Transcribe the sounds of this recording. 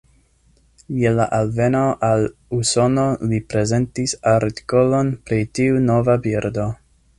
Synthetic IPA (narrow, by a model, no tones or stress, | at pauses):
jelaʔalvenoʔalusono̞lipɾe̞ze̞ntisaɾti̥kolonpɾitiuno̞vabiɾdo̞